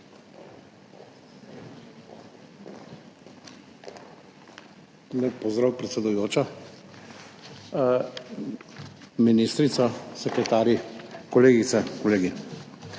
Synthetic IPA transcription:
lɛpɔzd̪ɾawpɾɛt̪sɛd̪ujoːt͡ʃɔ | minist̪ɾit̪sɔsɛkɾɛt̪aːɾjikɔleːɡit̪sɛkoleːɡi

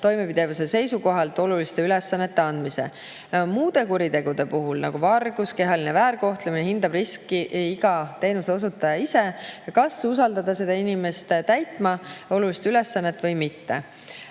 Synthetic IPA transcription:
t̪o̞jme̞pid̪̥e̞vusese̞jsuko̞ɦɑlt̪ːˑo̞lulist̪e̞yle̞sːɑnːe̞t̪ːe̞ɑnd̪mise̞̰ | muːd̪̥e̞kuɾid̪e̞ɡ̥ud̪̥e̞puɦulnɑɡ̥uvɑrɡ̥uske̞ɦɑlinevæːɾko̞ht̪lemineɦind̪ɑbriskːiiɡ̥ɑt̪e̞ːnuse̞os̬ut̪ːˑɑjɑise̞kɑsusɑld̪̥ɑd̪̥ɑse̞d̪ɑinime̞st̪t̪æjt̪ˑmɑo̞lulist̪yle̞sːɑnːe̞t̪ːˑvɤ̞jmit̪ːe̞̰

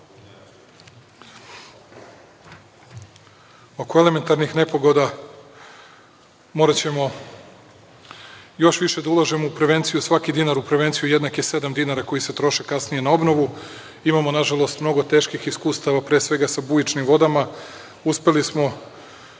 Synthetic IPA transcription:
o̞koe̞le̞me̞nt̪aɾnixne̞po̞ɡo̞d̪a | mo̞ːɾat͡ɕe̞mo̞ | jo̞ʃʋiʃe̞d̪aulˠaʒemoupɾe̞ʋe̞nt̪sijusʋakid̪inaɾupɾeʋe̞nt̪sijujed̪nakje̞se̞d̪amd̪inaɾako̞jise̞t̪ɾo̞ʃekasnije̞nao̞bno̞ʋu | imamo̞naʒalˠo̞st̪mno̞ɡo̞t̪e̞ːʃkixiskuːst̪aʋapɾe̞ːsʋe̞ɡasabujit͡ʃnimʋo̞d̪ama | uspe̞lismo̞

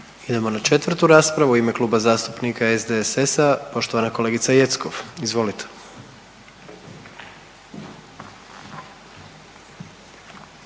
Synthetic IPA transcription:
id̪e̞mo̞nat͡ʃe̞t̪ʋrt̪uɾaːspɾaʋuime̞klˠuːbazaːst̪upnikaezd̪esesapo̞ʃt̪oʋanakole̞ːɡit̪saje̞t̪skoʋizʋo̞lit̪ʰe̥

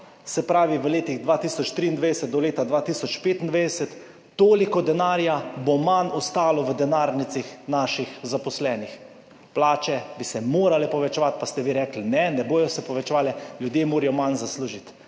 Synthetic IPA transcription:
sɛpɾaːʋiʋəleːt̪iɣd̪ʋaːt̪iːsɔt͡ʃt̪ɾiːind̪ʋɛd̪ɛsɛt̪̚d̪ɔleːt̪ad̪ʋaːt̪iːsɔt͡ʃpeːt̪ind̪ʋɛjd̪ɛsɛt̪ː | oːlikɔd̪ɛnaːɾjabomanɔst̪aːlɔʋəd̪ɛnaːɾnit̪sixnaːʃixzapɔslɛːnix | plaːt͡ʃɛbisɛmoːɾalɛpɔʋɛt͡ʃɛʋat̪past̪ɛʋiɾɛklinɛnɛboːjɔsɛpɔʋɛt͡ʃɛʋaːlɛljud̪jeːmoːɾijɔmanzasluːʒit̪

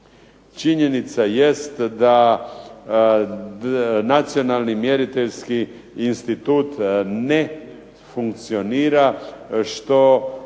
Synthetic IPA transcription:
t͡ʃiɲenit̪sajest̪d̪a | nat̪sio̞nalˠnimjeɾit̪eʎskiː | nst̪it̪uːt̪ne | fuŋk̚t̪sioniːɾaʃt̪o̞

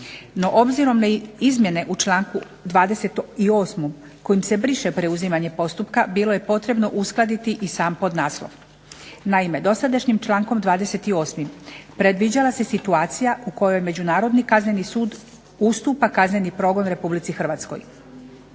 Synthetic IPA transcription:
no̞ʔobziɾo̞mnaizmje̞ne̞ʔut͡ʃlˠaːŋku | d̪ʋaːd̪e̞se̞t̪io̞ːsmomko̞jimse̞bɾiʃe̞pɾe̞uzimaɲe̞po̞st̪upkabilo̞jepo̞t̪ɾe̞bno̞ʔusklˠad̪it̪iʔisaːmpo̞d̪naːslo̰ʋ | naime̞d̪o̞sad̪aʃɲimt͡ʃlˠaːŋko̞md̪ʋaːd̪e̞se̞t̪io̞ːsmimpɾe̞d̪ʋid͡ʑalˠase̞sit̪uaːt̪sijaʔuko̞jo̞jme̞d͡ʑunaːɾo̞d̪nikazɲe̞nisuːd̪ | ust̪uːpakazɲe̞nipɾo̞ːɡo̞nɾe̞publit̪sixr̩ʋaːt̪sko̞̰j

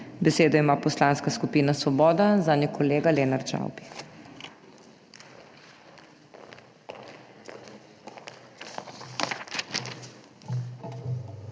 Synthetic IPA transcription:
bɛseːd̪ɔimaːpɔslaːnskaskupiːnasʋɔbɔːd̪azaːnjɛkɔleːɡaleːnaɾt͡ʃa̰wbi̥

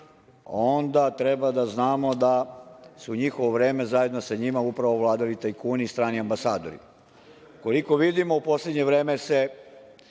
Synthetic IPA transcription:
o̞nd̪at̪ɾebad̪aznaːmo̞d̪asuɲixoʋoʋɾe̞ːme̞zaje̞d̪nosaɲimaupɾaʋo̞ʋlˠaːd̪alit̪ajkuːnist̪ɾaːniambasaːd̪o̞ɾḭ | ko̞liko̞ʋid̪imoupo̞sled̪ɲe̞ʋɾe̞ːmese̞

